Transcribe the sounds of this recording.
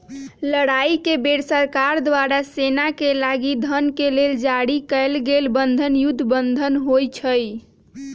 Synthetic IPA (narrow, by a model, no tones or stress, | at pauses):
ləɽaikebeɽsəɾkaɾd̪waɾasenakelaɡid̪ʱənkeleld͡ʒaɽikəjlɡelbənd̪ʱənjud̪ʱːbənd̪ʱənɦojt͡ʃʰəj